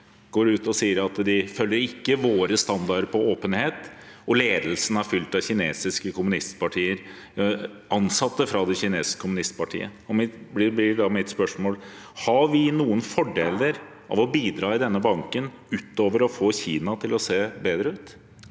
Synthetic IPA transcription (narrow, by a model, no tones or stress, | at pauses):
ɡ̥oːɾʉːt̪ɔsiːəɾɑt̪d̪ɪfœlːəɾɪkːəʋoːɾəst̪ɑnd̪ɑɾəɾpʰɔoːpənheːt̪ɔleːd̪əlsən̩æɾfʏlt̪ɑʋçɪneːsɪskəkʊmʉnɪst̪pʰɑʈʰiːəɾ | ɑnsɑt̪ːəfɾɑd̪ɛçɪneːskəkʰʊmʉnɪst̪̚pɑʈʰḭːə̰ɔmɪblɪblɪɖɑmɪt̪spœʂmoːl | hɑʋɪnuːənfɔɖeːləɾ | ʔɑ̰ʋɔbiːd̪ɾɑːɪd̪ɛnːəbɑŋkən | ʉːt̪oːʋəɾɔfoːçiːnɑt̪ʰɪlɔseːbeːd̪ɾəʉːt̪